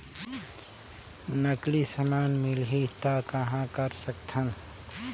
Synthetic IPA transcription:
nəklisəmaːnmɪlɦit̪akɐɦãkɐɾsəkt̪ʰən

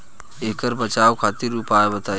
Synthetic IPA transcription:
ekəɾbət͡ʃawkʰat̪iɾupaebət̪a

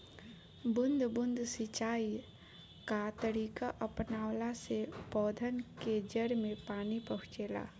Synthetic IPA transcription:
bʊnd̪ʱbʊnd̪ʱsit͡ʃaːi | kat̪əɽiːkaʔəpnaːwlasepɔːd̪ʱənked͡ʒəɾmẽpaːnipəɦʊt͡ʃeːla̰ː

